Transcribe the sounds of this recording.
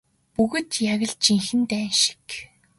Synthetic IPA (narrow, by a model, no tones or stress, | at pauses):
puɣɘ̆t̪jaɣə̆ɮt͡ɕiŋxɘ̆nt̪æːnʃi̥k